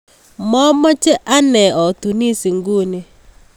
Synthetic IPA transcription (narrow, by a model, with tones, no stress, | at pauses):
mɔ˦mɔ˦t͡ʃɛ˦ʔa˦nɛ˨ɔ˨tu˨ni˦si˨ŋɡu˦ni˨